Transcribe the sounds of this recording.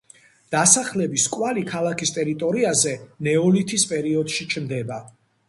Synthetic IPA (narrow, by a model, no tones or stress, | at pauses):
d̪̥asaχlɛbiskʼwalikʰalˠakʰist̪ʼɛɾit̪ʼɔɾiazɛnɛɔlit̪ʰispʼɛɾiɔd̪̥ʃit͡ʃʰmd̪ɛba